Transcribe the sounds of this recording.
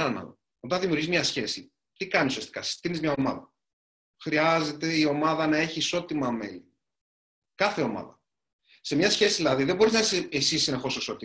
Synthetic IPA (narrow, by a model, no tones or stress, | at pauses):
ɐnɐ̰ | o̞t̪ɐnðimʲiuɾʝizmɲɐsçe̞si | t̪ikɐnisuiɐst̪i̥kɐsi̥st̪inizmɲɐo̞mɐðɐ | xɾiɐze̞t̪e̞io̞mɐðɐnɐe̞çiːso̞t̪imɐme̞̰li | kɐθe̞o̞mɐ̰ðɐ | se̞mɲɐsçe̞siðilɐðiðebo̞ɾiznɐiseesisnɐxo̞soiso̞t̪i